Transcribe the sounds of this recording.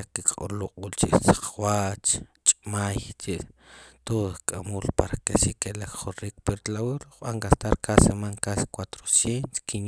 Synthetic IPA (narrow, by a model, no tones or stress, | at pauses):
kikʼoɾloqʼɓult͡ʃiʔsḁq͡χwat͡ʃt͡ʃʼmajt͡ʃiʔt̪oðkʼamuːlpaɾakeʃikelakχoɾikpeɾt̪lawilχɓaŋɡast̪aɾkasemaŋkaskwat̪ɾosjent̪o̥skin